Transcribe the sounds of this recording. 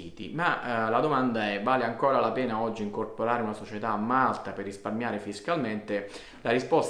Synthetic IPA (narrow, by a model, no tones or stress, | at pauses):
iːt̪ḭmalad̪omand̪aɛvaːleaŋkoːɾalapɛːnaɔd͡ʒːiːŋkorpoɾaːɾeunasot͡ʃet̪aːmːalt̪aperːisparmjaːɾefiskalment̪e | laɾispɔs